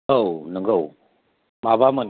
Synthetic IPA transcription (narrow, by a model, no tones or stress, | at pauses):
əwnəŋɡəw | mabamən